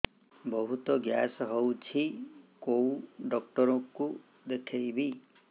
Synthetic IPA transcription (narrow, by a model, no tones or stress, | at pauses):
bɔɦut̪ɔɡjasɔɦowt͡ʃʰikowɖɔk̚ʈɔɾɔku | d̪ekʰejbi